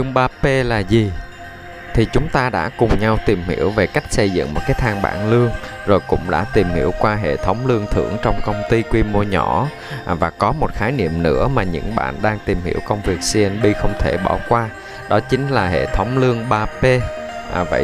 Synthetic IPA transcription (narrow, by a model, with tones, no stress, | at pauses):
ɨ˧əŋɓaː˧pe˧laː˨˩zi˨˩ | t̪ʰi˨˩t͡ɕʊ˨˦ŋ͡mt̪aː˧ɗa̰ː˧˥kʊ˨˩ŋ͡mɲa˧wt̪i˨˩mhḭ˧˩əwve˨˩ka˦˥jk̟̚sə˧jzɨ̰˧˨ŋmo˨˩t̚kaː˨˦jt̪ʰaː˧ŋɓa̰ː˧˨nlɨ˧əŋ | zo˨˩jkʊ̰˧˥ŋ͡mɗa̰ː˧˥t̪i˨˩mhḭ˧˩əwkwaː˧ɦḛ˧˨t̪ʰə˨˦wŋ͡mlɨ˧əŋt̪ʰɨ̰˧˩əŋt͡ɕɔ˧wŋ͡mkə˧wŋ͡mt̪i˧kwi˧mu˧əɲɔ˧˩ | vaː˨˩kɔ˨˦mo˨˩t̚xaː˨˦jnḭ˧˨əmnɨ̰˧˥əmaː˨˩ɲɨ̰˧˥ŋɓa̰ː˧˨nɗaː˧ŋt̪i˨˩mhḭ˧˩əwkə˧wŋ͡mvi˨˩ək̚si˧ʔɛ˧nɓi˧xə˧wŋ͡mt̪ʰe˧˩ɓɔ˧˩kwaː˧ | ɗɔ˨˦t͡ɕï˨˦ŋ̟laː˨˩ɦḛ˧˨t̪ʰə˨˦wŋ͡mlɨ˧əŋɓaː˧pe˧ | və̰˧˨